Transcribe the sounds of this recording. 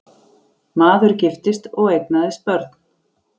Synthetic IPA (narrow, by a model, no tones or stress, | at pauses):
maːðʏɾcɪft̪ɪst̪ɔɣejknaðɪspœɾt̪n̥